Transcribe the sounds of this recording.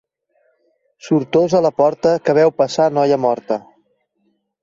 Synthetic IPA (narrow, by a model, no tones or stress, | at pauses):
suɾt̪ozələpɔɾt̪əkəβ̞ɛwpəsanɔjəmɔɾt̪ə